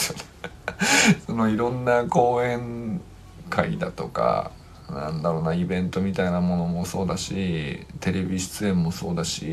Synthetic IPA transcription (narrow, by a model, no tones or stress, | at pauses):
sono | so̞no̞iɾõ̞nːako̞ːẽ̞ŋ | kʰaid̪at̪o̞ka̰ | nã̰nd̪aɾo̞ːnaibẽ̞nt̪o̞mʲit̪ainamo̞no̞mo̞so̞ːd̪aɕit̪e̞ɾe̞bʲiɕi̥t͡sɨẽ̞mːo̞so̞ːd̪aɕi